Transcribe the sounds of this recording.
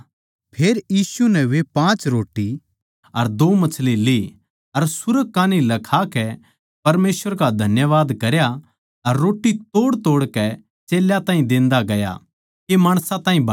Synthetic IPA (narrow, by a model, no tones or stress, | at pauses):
pʰeːɾjiːsunɛʋepãːt͡ʃɾoːʈːi | ɐɾd̪oːmɐt͡ʃʰlili | ɐɾsʊɾəɡ̚kãːnilɐkʰakɛ | pɐɾmeːsʋəɾkad̪ʱɐnjəʋaːd̪kɐɾja | ɐɾːoːʈːit̪oːɽt̪oːɽkɛ | t͡ʃeːljat̪ãːĩd̪ẽːnd̪aɡɐja̰ | kemaːɽ̃sãt̪ãːɦĩbɐ